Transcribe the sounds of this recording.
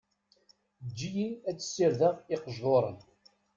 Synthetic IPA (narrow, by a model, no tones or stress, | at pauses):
d͡ʒːijinæt͡sːə̥sːɪɾðəʁɪqəʒðoɾˤə̰n